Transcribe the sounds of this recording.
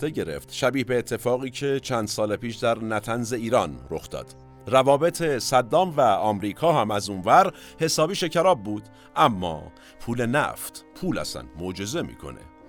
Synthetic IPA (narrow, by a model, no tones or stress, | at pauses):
t̪eɟe̞ɾḛft̪ʃæbiːhbeːt̪ʰːe̞fɒːɣiːcʰe̞t͡ʃʰænd̪̥sɒːlepʰiːʃd̪æɾnæt̪ʰænze̞iːɾɒnɾo̞xd̪ɒ̰ːd̪̥ | rævɒːbe̞t̪ʰe̞sæd̪ːɒːmvæɒːmɾiːkʰɒːɦæmæzunvæɾ | he̞sɒːbiːʃe̞cʰæɾɒːb̚ːuːd̪̥ | ʔæmːɒ̰ː | pʰuːle̞næ̰ft̪ʰpʰuːlæ̰sæ̰nmod͡ʒe̞ze̞mḭːkʰo̞̰nḛ